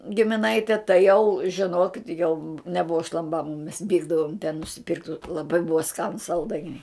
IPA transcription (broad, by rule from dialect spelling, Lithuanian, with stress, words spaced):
ɡʲɪmʲɪˈnɐɪtʲɛ tɐɪ jɛʊ ʒʲɪˈnoːkʲɪt jɛʊ nʲɛˈbʊʋɐ ʃlˠɐmˈbɑːmɐ mʲɛs ˈʋʲiːɡdɐʋoːm tʲɛn nʊsʲɪˈpʲɪrktʲ lˠɐˈbɐɪ ˈbʊʋɐ ˈskɑːnʊs sɐlˠˈdɐɪnʲɛɪ